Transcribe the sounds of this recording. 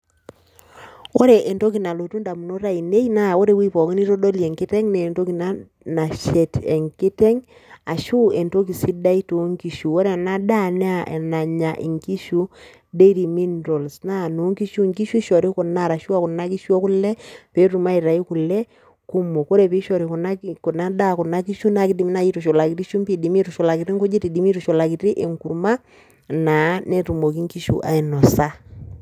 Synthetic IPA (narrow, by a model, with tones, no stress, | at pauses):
o˦ɾe˨ʔe˨nto˦ki˨na˨lo˨tu˦nda˨mu˨no˦ɾa˦i˨ne˦i˦na˦˨o˦ɾe˦˨wi˦pɔ˨ki˦ni˦ɾo˦do˦lie˨ŋki˦tɛ˦ŋne˨nto˦ki˨na˨ | na˨ʃe˨te˨ŋki˦te˦ŋ | a˨ʃu˦e˨nto˦ki˨si˦da˦i˦to˨˦ŋki˨ʃu˨o˦ɾe˦˨na˦da˦n˦a˦˨ʔḛ˨na˨ɲa˨ʔḭ˨ŋki˦ʃu˦ | de˦ɾi˨mi˦nɾo˨lsna˦˨no˨˦ŋki˦ʃu˦˨ŋki˦ʃu˦ʃɔ˨ɾi˦ko˨na˦˨ɾa˨ʃu˦a˦kɔ˨na˦ki˦ʃɔ˦ku˦lɛ˦pe˨˦tu˨ma˦i˨ɾa˨i˦ku˨lɛ˦ | ku˦mo˨ko˦ɾe˨pi˦ʃɔ˨ɾi˨ku˨na˦ko˨na˦da˦ku˨na˦ki˦ʃu˦na˨˦ki˦di˨mi˦na˦i˦to˨ʃo˨la˨ki˨ti˦ʃu˦mpi˨di˨mi˦tu˨ʃɔ˨la˨ki˨ɾi˦ŋku˦d͡ʒi˦ti˨di˨mi˦tu˨ʃo˨la˨ki˨ti˦ʔe˨ŋku˨ɾma˦ | na˨˦ne˦tu˨mo˨k̬i˦ŋki˦ʃṵ˨ʔa̰˨i˨nɔ˨sa˦